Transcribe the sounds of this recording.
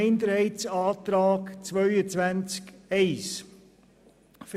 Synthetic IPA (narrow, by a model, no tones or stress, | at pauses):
ɪnd̪əɾɛɪtsɑːt̪ɾɑːkt͡svœʏət͡svænt͡skɛɪs | f